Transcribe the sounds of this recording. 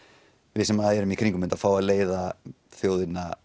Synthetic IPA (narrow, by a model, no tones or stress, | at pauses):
vɪðsɛmːaðaɛːɾʏmikʰɾiŋkʏmɪnt̪afaːwaðleːjða | θjoːwðɪnːa